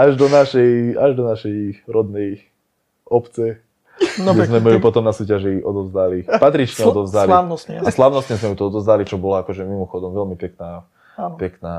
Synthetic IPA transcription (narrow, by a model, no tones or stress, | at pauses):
aʒd̪ɔnaʃɛjaʒd̪ɔnaʃɛjɾɔd̪nɛj | ʔɔpt͡sɛ | ɛzmɛmɛjupɔt̪ɔmnasuːcaʒiʔɔd̪ɔvzd̪alipat̪ɾit͡ʃɲɛɔd̪ɔvzd̪alianɔsɲɛaslaʊnɔstɲɛzmɛjut̪ɔɔd̪ɔvzd̪alit͡ʃɔbɔlɔakɔʒɛmimɔxɔd̪ɔmʋɛlmipɛknaː | apɛknaː